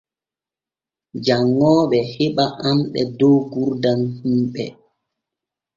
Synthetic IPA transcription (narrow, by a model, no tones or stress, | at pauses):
d͡ʒaŋːɔːɓɛheɓaʔamɓɛ̰dɔwɡuɾdanhimɓɛ